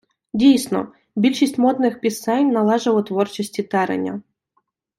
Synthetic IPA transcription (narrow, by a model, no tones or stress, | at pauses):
dʲejsno̰ | bʲilʲʂɪsʲtʲmot̪nɨxpʲɪsanʲnɐlˠaʐɨvˠət̪vort͡ɕɪsʲtʲɪt̪aɾɐ̰nʲɐ̰